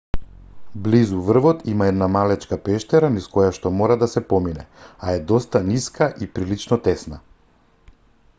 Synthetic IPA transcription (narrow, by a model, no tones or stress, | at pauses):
blizuvr̩vɔt̪imaɛd̪namalɛt͡ʃkapɛʃt̪ɛɾaniskɔjaʃt̪ɔmɔɾad̪asɛpɔminɛaɛd̪ɔst̪aniskaʔipɾilit͡ʃnɔt̪ɛsna